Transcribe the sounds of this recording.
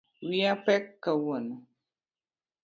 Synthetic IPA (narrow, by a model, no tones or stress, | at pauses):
wiapɛkːəwənə